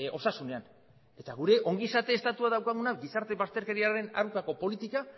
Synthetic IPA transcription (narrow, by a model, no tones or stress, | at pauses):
o̞sasune̞an | e̞t̪aɣuɾe̞ʔo̞ŋɡisat̪e̞ːst̪at̪uaðawkaɣ̞unaɡisaɾt̪e̞βast̪e̞ɾke̞ɾiaɾe̞na̰rukako̞po̞lit̪ika